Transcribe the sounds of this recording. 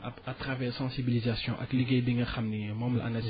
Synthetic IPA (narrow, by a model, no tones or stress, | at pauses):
aat̪ʁavɛʁsɑ̃sibilizasjɔ̃ʔɐ̰kliɡejbiŋɐχamnimɑ̃mblʔa̰na